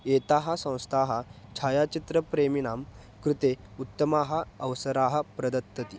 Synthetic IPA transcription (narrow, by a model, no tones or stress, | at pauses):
et̪aɦasə̃w̃st̪ʰaɦat͡ɕʰajat͡ɕit̪ɾəpɾeminaːm | kɾut̪e | ut̪ːəmaɦəːʋsəɾaɦəpɾɐd̪ət̪ːət̪i